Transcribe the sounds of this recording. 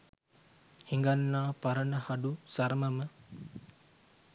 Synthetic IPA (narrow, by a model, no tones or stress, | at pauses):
hiŋɡanːaːpaɾənəhadusaɾməmə